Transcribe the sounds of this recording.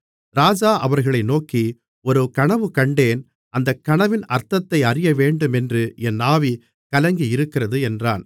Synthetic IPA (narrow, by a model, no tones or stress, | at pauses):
ɾaːd͡ʒaːʔɐʋɐɾɣɐɭɐɪnoːki | ɔɾɯkɐɳɐʋɯkɐɳɖeːn | ɐnd̪ɐkːɐɳɐʋɪnɐɾt̪ɐt̪ːɐɪɐrɪjɐʋeːɳɖɯmɛndrɯɛnːaːʋi | kɐlɐŋɡijɪɾɯkːɪrɐðɯɛndraːn